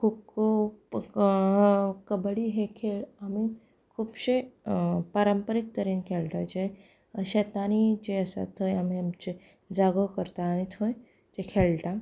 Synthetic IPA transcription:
kʰubko | kəbɭiɦekʰeɭami | kʰuːbɕe | paɾəmpəɾik̚t̪əɾiːnkʰelʈad͡ʑe | ɕet̪añid͡ʑeəsa̰t̪ʰojamiamt͡ɕe | d͡zaɡokəɾt̪aːñit̪ʰɦoj | d͡ʒekʰelʈa

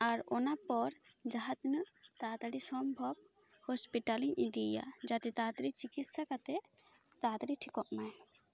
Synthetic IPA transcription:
aɾɔnapɔɾd͡ʒaɦat̪nɨʔt̪at̪ɽisɔmbʱɔb̚ | hɔspiʈaliɲʔid̪ija̰d͡ʒat̪ɛt̪at̪ɾit͡ʃikit̪sakat̪ɛ | t̪at̪ɾiʈʰikɔʔmaj

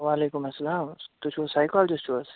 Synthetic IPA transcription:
ʋaːleːkʊmɐsːɐlaːmt̪ʊt͡ʃʰʋosaːɪkɔːld͡ʒɐst͡ʃʋos

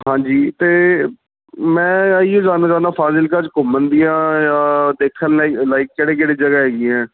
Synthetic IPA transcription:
ɦãːd͡ʒiːt̪eː | mɛ̃ːiːõːd͡ʒaːnaːd͡ʒaːnd̪aːpʰaːsɪlkad͡ʒkʊmənd̪ijãːjaːd̪eːkʰːənlːlaːɪk̚ːeːɽeːk̬eːɽeːd͡ʒəɡaːɦɛːɡiːɛ̃ː

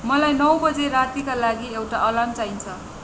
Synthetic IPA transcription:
mʌlajnʌwbʌd͡zeɾat̪ikalaɡiewʈaʔʌlamt͡saint͡sʰʌ

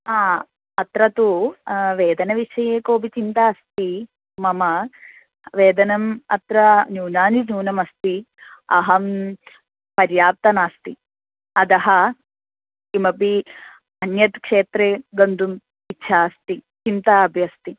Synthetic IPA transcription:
aː | ɐt̪ɾɐt̪uʋeːd̪ɐnɐʋiʂɐjeːkoːbit͡ʃint̪aːst̪i | mɐmɐ | ʋeːd̪ɐnɐmɐ̰t̪ɾɐnjuːnaːninuːnɐmɐst̪i | ɐ̰ɦɐm | pɐɾjaːp̚t̪ɐnaːst̪i | ɐd̪ɐɦɐ | imɐpi | ɐnjɐt̪kʂeːt̪ɾeɡɐnd̪um | itːʃʰaːst̪it͡ʃint̪aɐbʱjɐst̪i

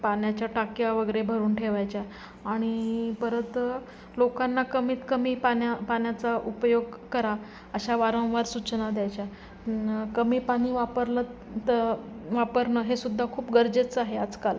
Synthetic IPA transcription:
paɳjat͡ɕjaʈakjaʋəɡəɾebʱəɾuːnʈʰeʋajt͡ɕjaː | ɽ̃ipəɾət̪ | lokanːakəmiːt̪kəmiːpanjapaɳjat͡saʔupjoɡkəɾa | əɕaʋaɾə̃w̃ʋaɾsut͡ɕnad̪jajt͡ɕja | kəmiːpaɽ̃iːʋapəɾlə | t̪əʋapəɾnəɦesud̪ʱːakʰuːpɡəɾd͡ʑet͡saɦead͡zkal

